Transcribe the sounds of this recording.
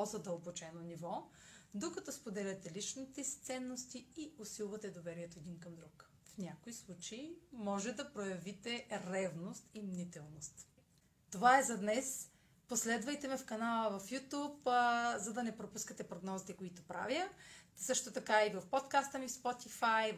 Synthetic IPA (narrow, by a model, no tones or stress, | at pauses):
pɔzɐd̪əlˠbot͡ʃɛnonivɔ | d̪okɐt̪ɔspod̪ɛlʲɐt̪ɛlit͡ʃnit̪ɛsi̥t̪sɛnːost̪iiʊsilˠvɐt̪ɛd̪ovɛɾiɛt̪oɛd̪inkɐmd̪ɾuk | fnʲakoislˠut͡ʃeimɔʒɛd̪ɐpɾojɐvit̪ɛɾɛvnost̪imnit̪ɛlˠnost̪ | t̪ovaɛzɐd̪nɛs | poslɛd̪vɐjt̪ɛmɛfkɐnalˠəvɐfjut̪ʲupzɐd̪ɐnɛpɾopuskət̪ɛpɾoɡnɔzit̪ɛkoit̪opɾa̰vjəsɤʃt̪ot̪ɐkaivɐfpot̪kast̪əmifspot̪ifaj